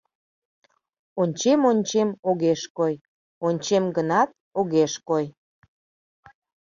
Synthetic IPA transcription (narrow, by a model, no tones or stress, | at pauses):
onʲt͡ɕemonʲt͡ɕemoɣeʃkoj | onʲt͡ɕemɡənɑt̪̚oɣeʃkoj